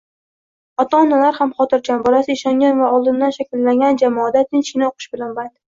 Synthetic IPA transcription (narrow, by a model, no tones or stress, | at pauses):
ɒt̪aːnalaɾhamχɒt̪ɪɾt͡ʃʰʲanbɒlasɪɪʃɒŋʲanvaɒlˠd̪ɪnd̪anʃakʲɪlːaŋɡʲand͡ʒamɒːd̪at̪ʰɪnt͡ʃʲɪnaoqʰɨ̥ʃbɪlanbajt̪